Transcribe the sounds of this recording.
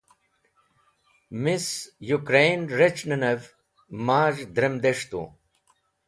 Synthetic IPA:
misjukɾenɾet͡ɕnɐnɐv | maːʐd̪ɾɐmd̪eʂt̪ṵ

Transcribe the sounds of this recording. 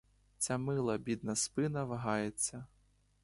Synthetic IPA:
t͡sʲamɪlˠɐbʲid̪nɐspɪnɐʋɐɦɑjet͡sʲːɐ

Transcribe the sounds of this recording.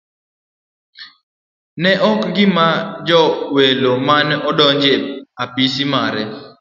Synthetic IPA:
nɛʔɔkɡɪmad͡ʒɔwelomanɔdɔɲd͡ʒeapisimaɾɛ

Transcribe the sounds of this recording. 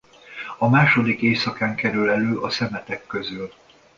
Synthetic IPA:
ɒmaːʃo̞d̪ikeːsɒkaːŋkɛɾylɛløːʔɒsɛmɛt̪ɛkːøzyl

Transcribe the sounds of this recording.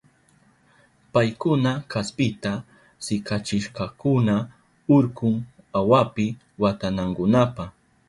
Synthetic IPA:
pajkʊnakʰaspɪt̪a | sɪkat͡ʃɪʃqɑkʊna | ʊɾkʊŋ | awapɪ | wat̪anaŋkʊnapaχ

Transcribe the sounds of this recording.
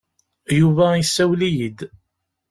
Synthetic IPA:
juvæjəsːæwlijid̪

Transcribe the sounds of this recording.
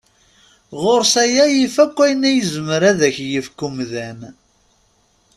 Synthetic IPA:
ʁoɾsæjæjifækʷːæjnæjəzəməɾæðæçjəfkːumðæn

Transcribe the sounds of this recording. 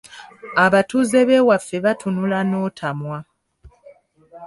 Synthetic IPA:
aβatuːze̞βe̞ːwafːe̞βatʰunulanoːtʰamwa

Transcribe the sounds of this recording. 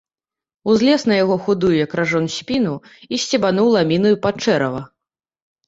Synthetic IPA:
uzʲlʲɛsnɐjaɣɔxud̪ujujɐkɾaʐɔnsʲpʲinu | isʲt͡sʲɛbanuwlˠamʲinujupat͡ʂɛɾɐvɐ

